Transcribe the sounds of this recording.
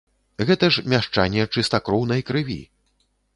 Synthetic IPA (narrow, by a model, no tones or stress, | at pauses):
ɣɛt̪ɐʂmʲaʂt͡ʂanʲːɛt͡ʂɨst̪akɾɔwn̪ɐjkɾɨvʲḭ